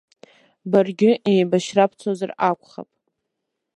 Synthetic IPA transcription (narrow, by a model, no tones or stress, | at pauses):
barɡʲɪʔejbaʃrapʰt͡sʰozarakʷʰʼχa̰pʼ